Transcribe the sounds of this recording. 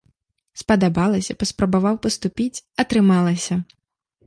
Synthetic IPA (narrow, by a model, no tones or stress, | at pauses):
spɐd̪abalˠɐsʲɐpɐspɾɐbavawpɐst̪upʲit͡sʲɐt̪ɾɨmalˠɐsʲɐ